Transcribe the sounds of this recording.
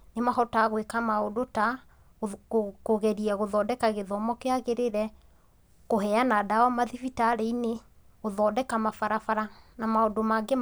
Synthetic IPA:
nemahɔtaɣwekamaodota | koɣɛɾiɛɣoðɔːdɛkaɣeðɔmɔkeaɣeɾeɾɛ | kohɛanaːdawamaðifitaɾeine | ɣoðɔːdɛkamafaɾafaɾanamaodomaɡe

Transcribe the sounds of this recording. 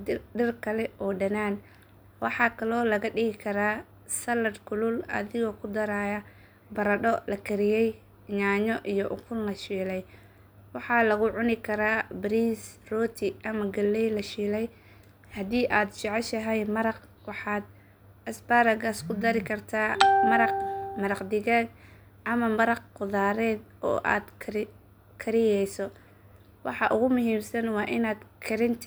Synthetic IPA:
ɖɪrkʰɐlɛɔːɖɐnaːn | wɑħɑːkʰɐlɔːlɐɣɐɖɪɣɪkʰɐɾaː | sɐlɐrkʰʊlʊlɐ̰ðɪɣɔkʰʊd̪ɐɾaːjɐ | bɐɾɐɗɔlɐkʰɐɾɪjɛj | ɲaːɲɔʔijɔʔʊkʰʊlnɐʃiːlɛj | wɑħɑːlɐɣʊʕʊnɪkʰɐɾaːbɾiːsrɔːt̪ʰɪʔɐmɐɡɐlːɛjlɐʃiːlɛj | hɐðiːʔaːd̪t͡ʃɑʕɑʃɐɦɛjmɐɾɑq | wɑħɑːd̪ | ɐsbaːɾɐɣaːskʰʊd̪ɐɾɪkʰɐrt̪ʰaːmɐɾɑqmɐɾɑqd̪ɪɣaːɡ | ʔɐmɐmɐɾɑqqʊðaːɾɛːd̪ɔ̰ːʔa̰ːd̪kʰ | kʰɐɾɪjɛjsɔ | wɑħɑʔʊɣʊmʊɦiːmsɐnwɑːʔɪnaːd̪kʰɐɾɪnt̪ʰ

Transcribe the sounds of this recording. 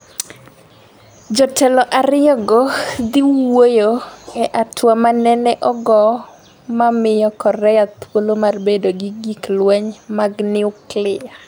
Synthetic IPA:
d͡ʒɔtʰɛlɔʔaɾɪjɔɡɔd̪iwojoɛʔatʰwamanɛnɛʔɔɡɔ | mamɪjɔkɔrɛjat̪wolomarbedoɡɪɡiklwɛɲmaɡnɪʊklɪa

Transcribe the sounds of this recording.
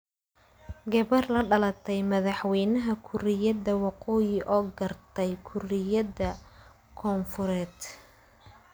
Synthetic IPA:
ɡɐβɐrlɐɖɐlɐt̪ʰɛjmɐðɑħwɛjnɐɦɐkʰʊɾɪjɐðɐwɑqɔːjɪʔɔːɡɐrt̪ʰɛjkʰʊrɪjɐðɐ | kʰɔːnfʊɾɛːd̪

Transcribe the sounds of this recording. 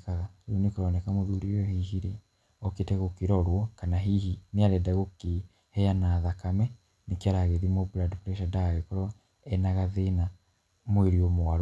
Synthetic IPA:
kaɣaionekoɾɔnɛkamoðuɾiɔhihiɾe | ɔketɛɣokiɾɔɾwɔkanaɦihineaɾɛdaɣoke | hɛjanaːðakamɛ | nekaɾaɣeðimobuladflɛʃadajɔkɔɾɔ | ɛnaɣaðena | mweɾiomoaɾ

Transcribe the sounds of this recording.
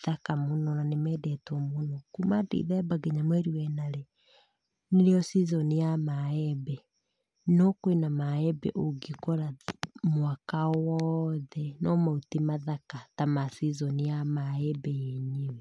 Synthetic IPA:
ðakamonɔnanemɛdɛtɔmonɔkumadḛḭðɛbaɡeɲamwɛɾiwɛnaɾɛ | neɾeɔsizɔnijamaɛbɛ | nɔkoenamaɛbɛ̰ʔoɡikɔɾamwakawɔðɛnɔmautemaðakatamasizɔnijamaɛbɛjeɲewɛ

